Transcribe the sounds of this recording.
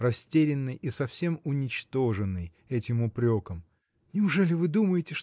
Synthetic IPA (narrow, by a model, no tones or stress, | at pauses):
rɐsʲtʲeɾʲɪnːɨjisɐfsʲe̞mʊnʲɪt͡ɕt̪o̞ʐɨnːɨj | ɛtʲɪmʊpɾʲokəm | nʲɪʊʐɛlʲɪvɨd̪uməjɪtʲɪʂ